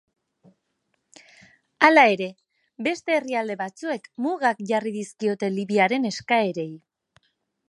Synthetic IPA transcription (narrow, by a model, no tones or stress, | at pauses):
alae̞ɾe̞ | be̞st̪e̞ːriald̪e̞βat͡sue̞kmuɣakʝariðiskio̞t̪e̞liβiaɾe̞ne̞skae̞ɾe̞j